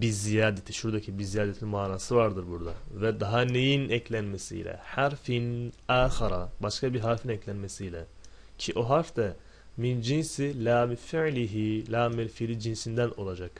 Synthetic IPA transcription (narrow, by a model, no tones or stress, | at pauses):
bizijaːd̪et̪ʰiʃuɾd̪acʰibizijaːd̪et̪ʰimaːnaːsɯvaɾd̪ɯɾbuɾd̪avɛd̪aɦanejinɛclʲænmesḭjlʲɛ̰haɾfinaːxaɾabaʃkʰabiɾɦaɾfinɛclʲænmesijlʲɛ | cʰiʔo̞ɦaɾfd̪ɛ | mind͡ʒinsilʲaːmifiʕlʲiɦilʲaːmilfilʲid͡ʒinsind̪æno̞lˠad͡ʒak